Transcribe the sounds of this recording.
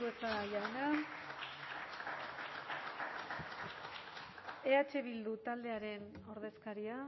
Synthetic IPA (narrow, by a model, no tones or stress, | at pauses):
uesaʝawna | eat͡ʃe̞βild̪ut̪ald̪e̞aɾe̞n | o̞ɾð̞e̞skaɾia